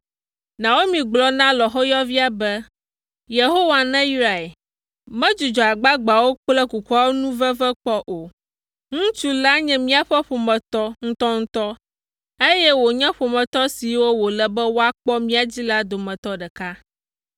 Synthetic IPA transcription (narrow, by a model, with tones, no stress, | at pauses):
nã˨wo˦mĩ˨ɡ͡blɔ˦nã˦lɔ˨xɔ˦jɔ˦vi˦a˨bɛ˦ | je˨ɦo˦wa˨nɛ̃˦ji˦ɾa˨e˨ | mɛ̃˦d͡ʒu˨d͡ʒɔ˨a˨ɡ͡ba˦ɡ͡ba˨wo˦k͡plɛ˦ku˨ku˦a˦wo˦nũ˦vɛ˦vɛ˦k͡pɔ˦ʔo˨ | ŋũ˦t͡ʃu˦la˦ɲɛ̃˦mĩ˦a˨ɸɛ˦ɸo˨mɛ̃˨t̪ɔ˦ŋ̩˦t̪ɔ˦ŋ̩̃˦t̪ɔ˦ | e˦jɛ˦wo˨ɲɛ̃˦ɸo˨mɛ̃˨t̪ɔ˦si˨wo˦wo˨lɛ˨bɛ˦wo˦a˦k͡pɔ˦mĩ˦a˨d͡ʑi˦la˦d̪o˨mɛ̃˨t̪ɔ˦ɖɛ˨ka˦